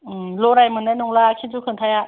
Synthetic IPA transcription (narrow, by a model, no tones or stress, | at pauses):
ɯloɾajmɯnanoŋlaːkʰit͡ɕukʰɯnt̪ʰajaʔ